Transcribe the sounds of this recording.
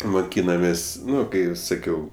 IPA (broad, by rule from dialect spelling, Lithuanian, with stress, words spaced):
moːˈkʲiːnɐmʲeːsʲ ˈnʊ ˈkɐɪ sɐˈkʲɛʊ